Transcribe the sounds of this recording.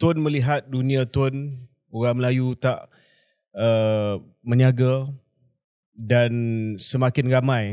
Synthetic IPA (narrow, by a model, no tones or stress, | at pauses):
t̪ʊnməliɦat̪̚dunĩãt̪ʊn | oɾaŋməlajut̪aʔ | ə | mə̃ɲnaɡa | dansəmakɪnramãj